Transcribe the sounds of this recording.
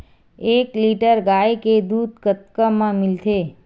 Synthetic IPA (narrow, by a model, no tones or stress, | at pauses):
eːkliʈəɾɡaːjked̪ud̪̚ʱkət̪̚kəmãmɪlt̪ʰe